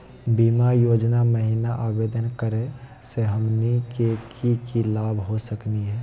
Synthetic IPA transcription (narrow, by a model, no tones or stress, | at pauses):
bimajoːd͡ʒnaməɦinaʔabed̪ənkəɾe | seɦəmnikekʰikilaːbʱɦosəkniɦɛː